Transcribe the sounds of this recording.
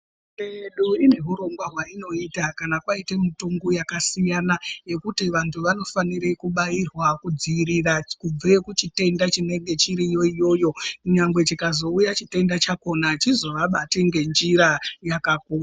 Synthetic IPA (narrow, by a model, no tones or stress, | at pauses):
eɗuine̞ɦuɾo̞ŋɡwaɦwaino̞itakanakwaitemituŋɡujakasijanaje̞kutiʋantʰuʋano̞faniɾekuɓairwakud͡ziiɾirakub͡vekut͡ʃite̞ndat͡ʃine̞ŋɡe̞t͡ʃiɾijo̞ijo̞ːjo̞kuɲaŋɡwe̞t͡ʃikazo̞ujat͡ʃite̞ndat͡ʃako̞nat͡ʃizo̞ʋaɓatiŋɡe̞nd͡ʒiɾajakakuːra